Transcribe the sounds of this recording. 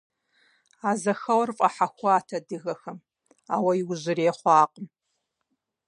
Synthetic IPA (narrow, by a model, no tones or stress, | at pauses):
aːzɐxɐwɐrfʼɐħaxʷaːtʰɐdɨɣɐxɐm | aːwɐjiwʑɪɾeːχʷɑːqʼəm